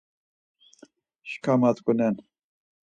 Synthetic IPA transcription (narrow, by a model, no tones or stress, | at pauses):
ʃkʰamat̪kunɛn